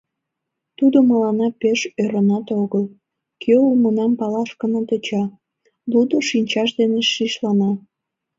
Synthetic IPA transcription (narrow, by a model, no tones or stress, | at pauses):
t̪ud̪oməlɑnɑpeʃøɾənɑt̪oɣəl | kʰøumənɑmpɑlɑʃkənət̪et͡ɕɑ | lud̪oʃinʲt͡ɕɑʃd̪eneʃiʃlɑnɑ